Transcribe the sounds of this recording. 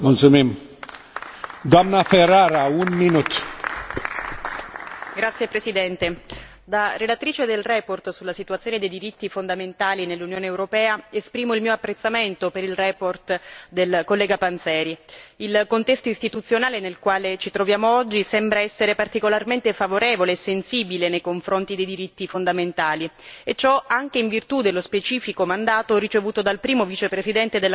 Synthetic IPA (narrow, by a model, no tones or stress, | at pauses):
mult̪sumim | d̪oamnafeɾaɾaunminut̪ | ɡɾat̪sːjepɾesid̪ɛnt̪e | d̪arelat̪ɾiːt͡ʃed̪elrɛport̪sulːasit̪uat̪sjoːned̪ejd̪iɾit̪ːifond̪ament̪aːlinelːunjoːneːwɾopɛːaespɾiːmoilmiːoapːɾet̪sːament̪opeɾilrɛport̪d̪elkolːɛːɡapant̪sɛːɾiilkont̪ɛst̪oist̪it̪ut̪sjonaːlenelkwaːlet͡ʃit̪ɾovjaːmoɔd͡ʒːisɛmbɾaɛsːeɾepart̪ikolarment̪efavoɾɛːvoleːsːensiːbilenejkoɱfɾont̪id̪ejd̪iɾit̪ːifond̪ament̪aːliet͡ʃːɔaŋk̟eiɱvirt̪ud̪elːospet͡ʃiːfikomand̪aːt̪orit͡ʃevuːt̪od̪alpɾiːmovit͡ʃepɾesid̪ɛnt̪ed̪elː